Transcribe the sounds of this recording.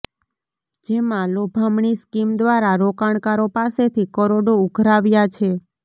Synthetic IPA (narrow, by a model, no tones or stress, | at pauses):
d͡ʒemãlobʱamɳiskimd̪ʋaɾaɾokaɳ̃kaɾopaset̪ʰikəɾoɽouɡʱɾaʋjat͡ʃʰe